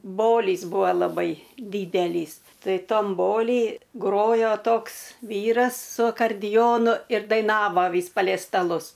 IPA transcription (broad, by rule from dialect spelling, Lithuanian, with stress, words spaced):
ˈboːlʲiːs ˈbuɔ lˠɐˈbɐɪ ˈdʲiːdʲɛlʲiːs ˈtɐɪ ˈtɐm ˈboːlʲiː ˈɡroːjoː ˈtoːks ˈʋʲiːrɐs sʊ ɐkɐrʲdʲɪˈjoːnʊ ɪr dɐɪˈnɑːʋɐ ˈʋʲiːs pɐlʲɛɪ stɐˈlˠʊs